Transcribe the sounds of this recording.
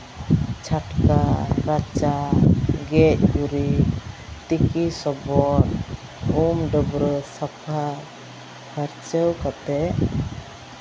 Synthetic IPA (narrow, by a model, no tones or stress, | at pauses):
t͡ʃʰaʈkaɾat͡ʃaɡɛc̚uɾi | t̪ikisɔbɔɾ | umɖɔbɾɔsapʰa | bʰaɾt͡ʃɛwkat̪ɛ